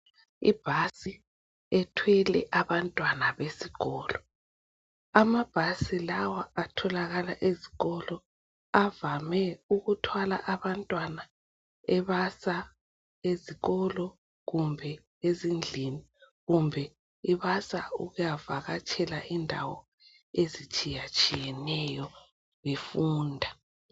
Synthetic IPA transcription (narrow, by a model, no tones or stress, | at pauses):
ḭb̥ʱasi | ɛtʰwɛlɛ̰ʔaβantʼwanaβesiɣɔːlɔ | amab̥ʱasilawaatʰɔlaɣalaʔeziɣɔlɔ | avamɛuɣutʰwala̰ʔaβantʼwana | ɛβasa | eziɣɔlɔ | ɣumbʱɛ | ezind͡ɮʱini | ɣumbʱɛ | iβasa̰uɣujavaɣat͡ʃʰʼɛlaʔindʱa̰wɔ̰ | ezit͡ʃʼijat͡ʃʼijɛnɛjɔ | βefuːndʱa